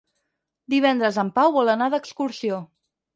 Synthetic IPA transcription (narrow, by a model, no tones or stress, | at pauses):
d̪iβ̞ɛnd̪ɾəzəmpawβɔlˠənaðəkskuɾsio